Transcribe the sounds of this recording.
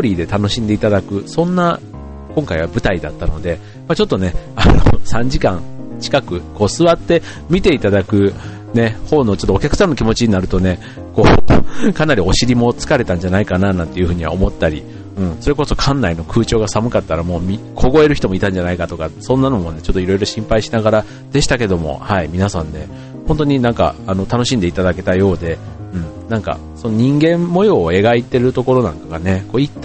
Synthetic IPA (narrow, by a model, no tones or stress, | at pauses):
t̪oːɾʲiːd̪e̞t̪ano̞ɕĩnd̪e̞it̪ad̪akɯ̟sõ̞nːa | kõ̞ŋkaiβabɯ̟t̪aid̪at̪ːano̞d̪e̞ | mat͡ɕo̞t̪ːo̞ne̞anosãɲ̟d͡ʑikãŋt͡ɕi̥kakɯ̟ko̞ːsɨβat̪ːe̞ | mʲit̪e̞it̪ad̪akɯ̟ | ne̞ho̞ːno̞t͡ɕo̞t̪ːoːkʲakɯ̟sãnːokʲimo̞t͡ɕiɲ̟inaɾɯ̟t̪o̞ne̞ | ko̞ːkanaɾʲio̞ɕiɾʲimo̞t͡sɨ̥kaɾe̞t̪ãɲ̟d͡ʑanaikananãnt̪e̞jiɯ̟ɸɯ̟ːɲ̟iβa̰omo̞t̪ːaɾʲi | ɯ̟̃ːɴso̞ɾe̞ko̞so̞kʰãnːaino̞kʰɯ̟ːt͡ɕo̞ːɡasamɯ̟kat̪ːaɾamo̞ːmʲikʰo̞ɡo̞e̞ɾɯ̟çi̥t̪o̞moit̪ãɲ̟d͡ʑanaikat̪o̞kasõ̞nːano̞mo̞ne̞t͡ɕot̪ːo̞iɾo̞iɾo̞ɕĩmpaiɕinaɡaɾa | d̪̥e̞ɕi̥t̪ake̞d̪o̞mo̞̰haimʲinasãnːe̞ | hont̪o̞ɲ̟inãŋka̰ːno̞t̪ano̞ɕĩnd̪eit̪ad̪ake̞t̪ajo̞ːd̪e̞ | ɯ̟̃ɴ | nãŋka̰ | so̞noɲ̟ĩŋɡẽ̞mːo̞joːe̞ɡait̪ːe̞ɾɯ̟t̪o̞ko̞ɾo̞nãŋkaɡane̞ko̞ːit̪ːa